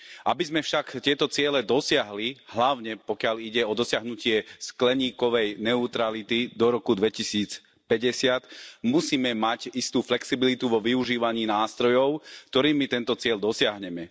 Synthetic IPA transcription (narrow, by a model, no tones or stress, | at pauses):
ʔabizmɛfʃakt̪ɪɛt̪ɔt͡sɪɛlɛd̪ɔsɪaɦliɦlaʊɲɛpɔkɪaliɟɛɔd̪ɔsɪaɦnucɪɛsklɛɲiːkɔʋɛjnɛut̪ɾalit̪id̪ɔɾɔkud̪ʋɛcisiːt͡s | pɛɟɛsɪat̪musiːmɛmacist̪uːflɛksibilit̪uʋɔʋiuʒiːʋaɲiːnaːst̪ɾɔjɔʊkt̪ɔɾiːmːit̪ɛnt̪ɔt͡sɪɛʎd̪ɔsɪaɦɲɛmɛ